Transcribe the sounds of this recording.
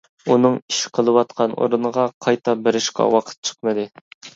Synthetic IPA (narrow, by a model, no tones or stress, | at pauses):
unɨŋiʃqʰəlˠɨwɑt̪qʰɑno̰ɾunəʁɑqʰɑjt̪ʰɑbɪɾɪʃkʲʰɑ̰wɑqʰə̥t̪̚t͡ʃʰə̥qmɨd̪ɨ